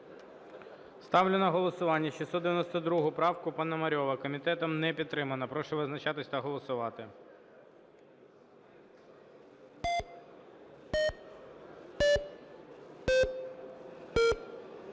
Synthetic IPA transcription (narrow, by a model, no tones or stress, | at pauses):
st̪ɑwlʲʊnɐɦɔlˠɔsʊʋɑnʲːɐʃisɔd̪eʋʲjnɔst̪ɔd̪ɾuɦʊpɾɑwkʊpɐnɐmɐɾʲɔʋɐkɔmʲit̪ɛt̪ɔmnɛpʲid̪t̪ːɾɪmɐnɐpɾɔʃɛʋɪznɐt͡ʃɑt̪ɪsʲɐt̪ɐɦɔlˠɔsʊʋɑt̪ɪ